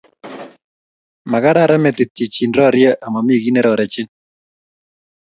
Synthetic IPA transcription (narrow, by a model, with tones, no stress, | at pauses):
ma˨ka˦ɾa˦˨ɾa˦mɛ˨t̪ɪ˨ti˨t͡ʃi˨nɾɔ˦˨ɾja˦ʔa˨ma˨mi˦˨ɣi˦nɛ˦ɾɔ˨ɾɛ˨t͡ʃɪ˦n